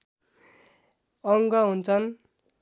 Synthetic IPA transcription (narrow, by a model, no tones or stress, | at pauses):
ʌŋɡʌɦunt͡sʰʌn